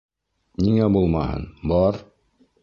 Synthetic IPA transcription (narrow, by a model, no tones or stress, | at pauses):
niŋæbulˠmɑhɤ̰nbɒɾ